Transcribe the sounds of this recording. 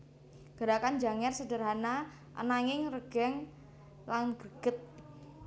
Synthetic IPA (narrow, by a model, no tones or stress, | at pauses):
ɡ̥əɾakand͡ʒaŋɛrsədərɦana | ʔə̰naŋɪŋrəɡ̥ɛŋ | laŋɡəɡ̥ət̪̚